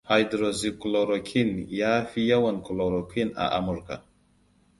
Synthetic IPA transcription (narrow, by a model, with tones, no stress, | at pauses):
ha˨jdɾo˨zi˨kulo˨ɾo˨kʰi˦nja˦fi˦ja˦wa˨nku˨lo˨ɾo˨kʰi˦na̰˨ʔa̰˨mu˨ɾka̰˨